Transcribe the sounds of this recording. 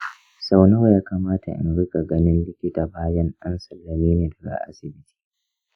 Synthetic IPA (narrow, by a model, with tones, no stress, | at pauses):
sa˨wna˦wjaː˦kaː˨maː˦ta̰˨ʔɪ̰˨nɽɪ˦ka˨ɡɐ˦nɪ˦nlɪ˦kʲɪ˦taː˨baː˦jɐ˦nɗɐ˦nsɐ˨lːɐ˨miː˦neː˨dɐ˨ɡa̰˨ʔa̰˦sɪ˨bɪ˦ti̥ː˦